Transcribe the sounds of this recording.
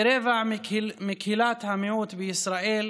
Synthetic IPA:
ɾeːvaʕmɪkhilaːt̪hamɪʕuːt̪bɪʔɪsɾaːʔiːl

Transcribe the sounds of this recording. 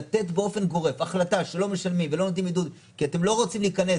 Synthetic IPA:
at̪e̞tbeo̞fe̞nɡo̞ʁe̞faχlataʃe̞lo̞me̞ʃalmimvelo̞not̪̬imid̪ud̪ | kiate̞mlo̞ʁot͡simliːkane̞

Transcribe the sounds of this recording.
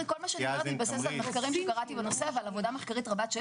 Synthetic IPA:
iko̞lmaʃeʁat̪ibasesalmeχkaʁimʃɛkaʁatibenose̞vealavo̞d̪ameχkaʁit̪ʁabat̪ʃe

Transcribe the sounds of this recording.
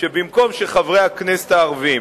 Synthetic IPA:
ʃebimko̞mʃeχavʁeaknese̥t̪aːʁvim

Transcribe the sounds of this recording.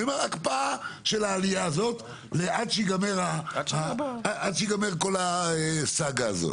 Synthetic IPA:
omaʁakpaaʃelaːlijaːzo̞t̪ | leʔadʃiɡameʁaaadʃiɡameʁko̞laesaɡaːzo̰t

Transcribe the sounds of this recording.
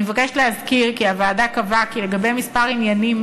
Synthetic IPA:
evakeʃlehazkiʁkiavaːdakavakile̞ɡabe̞jmispaʁinjanim

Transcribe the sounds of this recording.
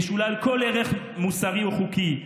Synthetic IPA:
ʃulalko̞leʁeχ | musaʁiuχuki

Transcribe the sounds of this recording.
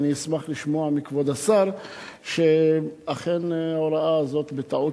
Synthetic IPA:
niismaχliʃmo̞amikvod̪asaʁʃeaχe̞naoɾaʔaːzo̞t̪bet̪aʕu

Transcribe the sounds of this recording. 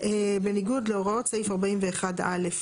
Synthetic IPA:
ebe̞niɡudleoʁao̞tsaifaʁbaimveːχada̰le̞f

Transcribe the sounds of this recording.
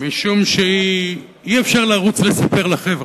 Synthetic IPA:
miʃumʃei | iefʃaʁlaʁut͡sle̞sape̞ʁlaχe̞vʁ

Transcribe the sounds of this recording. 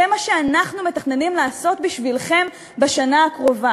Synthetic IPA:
emaʃe̞anaχnume̞taχne̞nimlaːso̞t̪biʃvilχe̞m | beʃanaakʁo̞va

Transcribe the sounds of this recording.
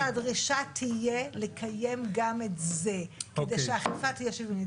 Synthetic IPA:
adʁiʃatʰije̞le̞kʰaje̞mɡametze̞kedejʃeaχifatijeʃevini

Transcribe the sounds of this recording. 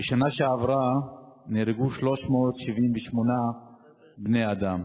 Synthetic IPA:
beʃanaʃeavʁaneʁeɡuʃlo̞ʃmoːt̪ʃivimveʃmo̞na | bnejad̪am

